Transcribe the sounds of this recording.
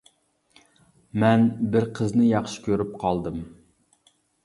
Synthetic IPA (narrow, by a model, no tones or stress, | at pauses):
mɛnbɪɾqʰəznɨjɑχʃɪ̥kʲʰøɾyp̚qʰɑlˠd̪ɨm